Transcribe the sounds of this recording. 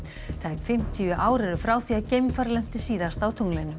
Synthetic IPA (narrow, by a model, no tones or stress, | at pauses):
t̪ʰajkfɪm̥t̪ʰiʏʔaːwɾɛɾʏfɾaːwθiaðcejmfaɾlɛn̥t̪ɪsiːðast̪awt̪ʰuŋlejnʏ